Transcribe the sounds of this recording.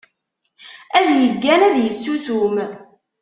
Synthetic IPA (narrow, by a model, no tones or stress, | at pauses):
æðjəɡːænæðjəsːuθum